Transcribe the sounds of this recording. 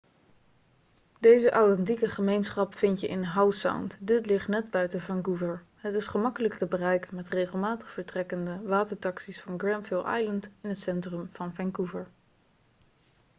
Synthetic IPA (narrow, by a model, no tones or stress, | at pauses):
dejzəʔawtɛntikəχəmejnsχɑpfɪntjəʔɪnɦawsa̰wntdɪtlɪχtnɛd̚bœɥtəvɛŋkuvəɹ | ɦətɪsχəmɑkələktəbərɛjkənmɛtrejχəlˠmaːtəχfəɹtrɛkəndəʋaːtəɹtɑksisfɑnɡrɛmfɪlˠʔɑ̰jləntɪnɦətsɛntrəmv̥ɑnvɛŋkuvəɹ